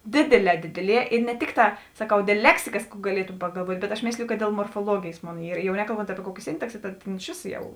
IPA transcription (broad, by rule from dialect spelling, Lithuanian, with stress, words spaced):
ˈdʲeːdʲeːˌlʲɛː ˈdʲeːdʲeːˌlʲiɛ ɪ nʲɛ ˈtʲɪkˌtɑː sɐˈkɐʊ ˈdʲeːlˠ ˈlʲæːksʲɪkɐs kuː ɡɐˈlʲiɛtʊ pɐɡɐlˠˈʋuɔtʲ bʲɛt ɐʃ ˈmʲeːsʲlʲɪjʊ kɐt dʲeːlˠ moːrfoːˈlˠuɔɡʲeːjeːs ˈmoːn ˈiːr jɛʊ nʲɛkɐlˠˈboːnt ˈɑːpʲiɛ ˈkuɔkʲeː ˈsʲɪntɐksʲeː tɐt ˈtʲeːn ɪʃ ˈʋʲeːsoː ˈjɛʊ